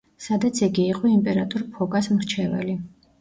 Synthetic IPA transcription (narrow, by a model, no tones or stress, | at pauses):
sad̪at̪sʰiɡiːqʼɔimpʼɛɾat̪ʼɔɾpʰɔkʼasmɾt͡ʃʰɛvɛ̰li